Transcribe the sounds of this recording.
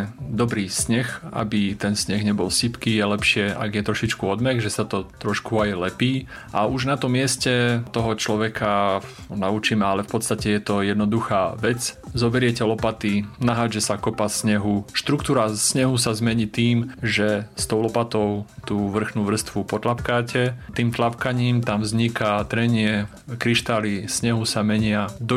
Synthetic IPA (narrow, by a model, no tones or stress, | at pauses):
d̪ɔbɾiːsɲɛxa̰bit̪ɛnsɲɛɣɲɛbɔlsipkiːjɛlɛpʃɪɛa̰ɡjɛt̪ɾɔʃit͡ʃkuɔd̪mɛɡʒɛsat̪ɔt̪ɾɔʃkuajlɛpiː | ʔa̰uʒnat̪ɔmːɪɛscɛt̪ɔɦɔt͡ʃlɔʋɛkʰa | naut͡ʃimɛalɛfpɔt̪st̪acɛjɛt̪ɔjɛd̪nɔd̪uxaːʋɛt͡szɔbɛɾɪɛcɛlɔpat̪inaɦaːd͡ʒɛsakɔpasɲɛɦuʃt̪ɾukt̪uːɾasɲɛɦusazmɛɲiːt̪iːmʒɛst̪ɔʊlɔpat̪ɔʊt̪uːʋr̩xnuːʋr̩st̪ʋupɔt̪lapkaːcɛt̪iːmt̪lapkaɲiːmt̪amvzɲikat̪ɾɛɲɪɛ | kɾiʃt̪alisɲɛɦusamɛɲɪad̪ɔ